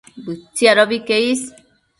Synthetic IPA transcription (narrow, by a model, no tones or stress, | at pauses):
bɨt͡sːiaɾobikeis